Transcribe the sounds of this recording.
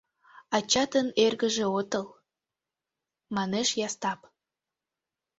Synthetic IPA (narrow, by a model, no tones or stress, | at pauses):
ɑt͡ɕɑt̪ənerɣəʒeot̪əl | mɑneʃjɑst̪ɑp